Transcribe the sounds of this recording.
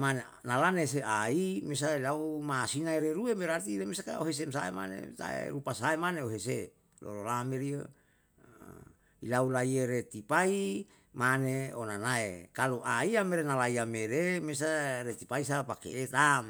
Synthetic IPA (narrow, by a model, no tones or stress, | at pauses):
mane | nalanes̬eaimes̬ailaumasinaeɾeɾuemeɾat̪iɾemesakaoɦes̬emsaḛma̰nḛt̪a̰ḛɾupasaemaneoɦese | lʔo̰lolameɾiə | ilaulaieɾet̪ipai | maneonanaekaloʔaiameɾenalaiameɾemes̬aɾet̪ipaisapakḛʔet̪am